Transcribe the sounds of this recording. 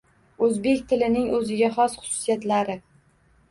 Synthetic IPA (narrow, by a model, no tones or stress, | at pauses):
ɵzbe̞kʲt̪ʰɪlɪnɪŋɵzɪɡʲaχɒsχʊ̥sʊ̥sijat̪laɾɪ